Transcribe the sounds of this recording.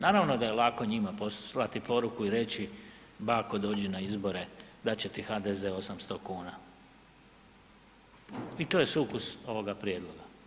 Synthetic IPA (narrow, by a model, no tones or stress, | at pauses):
naːɾaʋno̞d̪aje̞lˠako̞ɲimaposlat̪ipo̞ɾukuiɾe̞t͡ɕi | bakod̪o̞ːd͡ʑinaizbo̞ɾe̞d̪at͡ɕe̞t̪ixaːd̪ezeo̞samst̪okuːna | it̪oːjesuːkuso̞ʋo̞ɡapɾjed̪lo̞ɡa